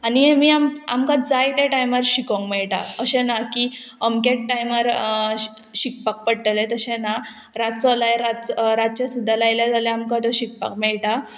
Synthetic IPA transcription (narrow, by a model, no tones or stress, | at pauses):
animiːama̰mkãd͡zajt̪eʈajməɾɕikɔ̃ŋɡmɛɭʈa̰əɕẽnaki | əmkeʈːajməɾ | ɕik̚pak̚pəɽʈəlet̪əɕẽna | ɾat̪t͡sɔlajɾat̪ɾat̪̚t͡ɕasud̪ʱːalajljad͡zaleamkat̪ɔɕik̚pa̰k̚mɛɭʈa